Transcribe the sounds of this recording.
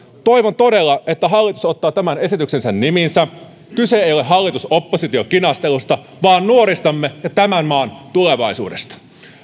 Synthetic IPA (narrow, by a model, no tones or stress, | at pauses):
t̪o̞jʋont̪o̞de̞lːɑʔe̞t̪ːæɦɑlːit̪uso̞t̪ːɑːt̪æmæne̞sit̪ykse̞nsænːiminsæ | kyse̞ejo̞le̞ɦɑlːit̪uso̞pːosit̪io̞kinɑst̪e̞lust̪ɑ | ʋɑːnːuo̞ɾist̪ɑmːejɑt̪æmænmɑːnt̪ule̞ʋɑisṵːdest̪ɑ̥